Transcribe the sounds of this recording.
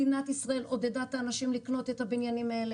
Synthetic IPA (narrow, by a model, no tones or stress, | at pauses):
inat̪isʁae̞lo̞d̪ed̪at̪aːnaʃimlikno̞t̪e̞t̪habinjanimaele